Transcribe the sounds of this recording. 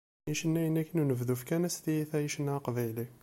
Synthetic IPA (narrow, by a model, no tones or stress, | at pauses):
iʃənːæjənːækːənunəvðufkænæst̪ijiθæjiʃənːæqvæjli